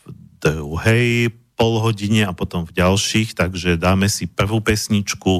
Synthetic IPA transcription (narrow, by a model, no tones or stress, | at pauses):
vd̪ɾuɦɛj | pɔlɦɔɟiɲɛapɔt̪ɔmvɟalʃiːxt̪aɡʒɛd̪aːmɛsipr̩ʋuːpɛsɲit͡ʃku